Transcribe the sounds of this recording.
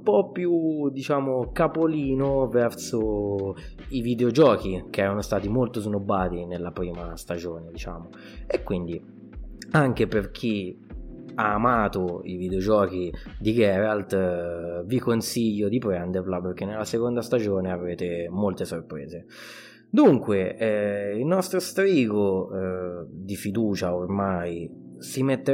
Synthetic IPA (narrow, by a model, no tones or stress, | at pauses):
umpɔpːjud̪it͡ʃaːmokapoliːnovɛrso | ivid̪eod͡ʒɔːkikeɛːɾanost̪aːt̪imolt̪oznobːaːt̪inelːapɾiːmast̪ad͡ʒoːned̪it͡ʃa̰ːmo | ekːwind̪i | aŋkeperk̟ʰi | aːmaːt̪oivid̪eod͡ʒɔːk̟id̪iɡɛːɾalt̪ | vikonsiʎːod̪ipɾɛnd̪erlaperkːenːelːasekond̪ast̪ad͡ʒoːneavɾeːt̪emolt̪esorpɾḛːze | d̪uŋkweɛilnɔst̪ɾost̪ɾiːɡo | d̪ifid̪uːt͡ʃaormaj | simet̪ːe